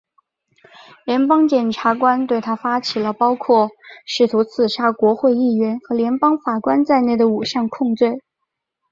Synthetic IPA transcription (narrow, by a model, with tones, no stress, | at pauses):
ljɛ˧˥npɑ˥ŋt͡ɕjɛ˨˩nʈ͡ʂʰa˧˥kwa˥nt̪we˥˩ɪt̪ʰa˥fa˥t͡ɕʰi˨˩lə˦pɑ˥ʊkʰwɔ˥˩ʂɻ̩˥˩t̪ʰu˧˥t͡sʰɹ̩˨˩ʂa˥˩kwɔ˧˥xwe˥˧ɪi˥˩ɥɛ˧˥nxɤ˧˥ljɛ˧˥npɑ˥ŋfa˨˩kwa˥nt͡sa˥˧ɪne˥˩ɪd̪ə˩u˨˩ɕjɑ˥˧ŋkʰʊ˥˧ŋt͡swe˥˩ɪ